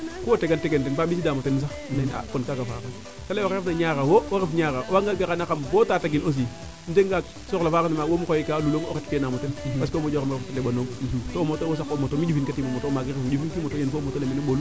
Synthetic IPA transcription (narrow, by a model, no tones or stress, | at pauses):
kowoteɡanteɡentenbabisidamotenːms̬anena̰konkakafa̰ka | kalewakefnaɲakawoaɾefɲakaʔwaŋɡaɡakanakambotataɡinos̬i | n̩teŋɡa | soklafaːkanamawomukojikaluloŋo̰ketpenamotenbaskomod͡ʒokameftalebonotomotowos̬akomotomid͡ʒufinkatimomotomaɡiimd͡ʒufinkimotojenfomotolemeneɓolu